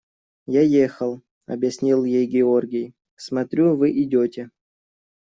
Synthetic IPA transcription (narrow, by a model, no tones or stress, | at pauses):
jajexəlˠ | ɐ̰bʲjɪsʲnʲilˠjejɡʲɪo̞rɡʲɪj | smɐt̪ɾʲuvɨʔɪdʲotʲɪ